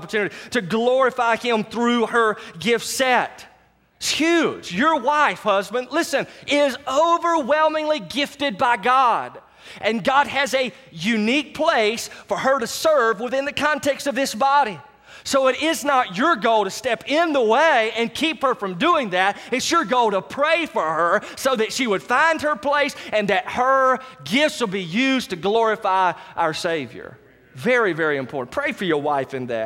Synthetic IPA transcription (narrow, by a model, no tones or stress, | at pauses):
pə˞tʰʉnɨɾiɾɨɡlɔɹɨfaɪɪ̃mθɹʉə˞ɡɪftsɛt̚ | tshjʉd͡ʒjə˞waɪfhʌzbɨ̃ndlɪsɨ̃nɪzoʊvə˞wɛlˠmɪ̃ŋliɡɪftɨd̚baɪɡɑd | ʔɨ̃nɡɑd̚ɨzɨ | jʉnik̚pʰl̥eɪsfə˞ə˞ɾɨsɜ˞vwəθɪ̃nðɨkʰɑ̃ntʰɛkstʌvðɪsb̥ɑɾi | soʊɨɾɪznət͡ʃə˞ɡoʊlˠɾɨstɛpɪ̃nðəweɪɨ̃nkʰiphə˞fɹʌ̃mduɪ̃ŋðɨɾ̚ɨtsjə˞ɡoʊlˠɾəpʰɹ̥eɪfə˞ə˞soʊðɨtʃiwɨd̥fãɪ̃nd̚ə˞pʰl̥eɪsɨ̃nðɨt̚hə˞ | ɡɪftswəlˠbijʉztʰɨɡlɔɹɨfaɪʔa̰ʊə˞seɪvjə̰˞ | vɛɹivɛɹiɨ̃mpʰɔ̰ɹʔn̩pʰɹ̥eɪfə˞jə˞waɪfɨ̃nðæ̰t̚